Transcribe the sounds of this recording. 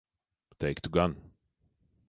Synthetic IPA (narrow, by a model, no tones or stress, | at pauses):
t̪ʰeɪkt̪uɡãn